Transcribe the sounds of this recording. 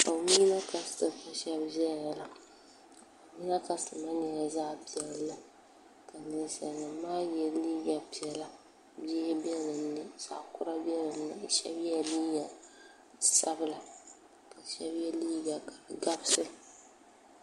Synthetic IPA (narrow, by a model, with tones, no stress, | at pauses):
a˨mi˦na˦ka˦stɨ˨ka˦ʃɛ˦bʒɛ˦˨a˨la˨ | a˨mi˦na˦ta˦stɨ˨ma˦ɲɛ˨ja˨zaː˦pi˨ɛ˨lla˨ | ka˨nɨ˨n˨sa̰˨ɨ˨maː˦jɛ˦liː˦ɡa˨pi˨ɛ˨la˨ | bɛ˦bɛ˦lɨ˨n˦nɨ˦˨sa̰˦˨kʊ˦ɾa˦bi˦ɛ˦lɨ˨n˦nɨ˨ʃɛ˦bjɛ˦liː˦ɡa˨ | sa˦bɨ˦la˨ | ka˨ʃɛ˦bjɛ˦liː˦ɡa˨kḁ˨ɡa˦bsɨ˦